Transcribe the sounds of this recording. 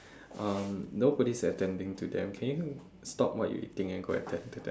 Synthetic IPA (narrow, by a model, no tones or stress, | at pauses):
ʔʌ̃mnobɔɾisətɛ̃ndɪ̃ŋtʰudɛ̰̃mkʰɛ̃nju | stɔpwɔ̰ʔ̚jṵʔḭtɪ̃ŋɛ̃nɡoə̰tʰɛ̃ndŋtudɛ̰̃